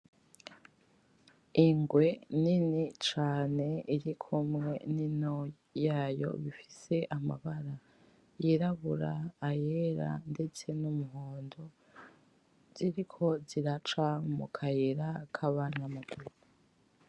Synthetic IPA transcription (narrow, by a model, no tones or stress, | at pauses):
iŋɡwe̞ninit͡ʃaːne̞iɾikʰumŋe̞nino | jajo̞̰βifise̞ʔama̰βaɾa | jiɾaβuɾaːjeɾa̰nde̞t͡se̞numuɦoːndo̞ | z̥iɾikʰo̞ziɾat͡ʃamṵkʰajiɾakʰaβanamaɡuu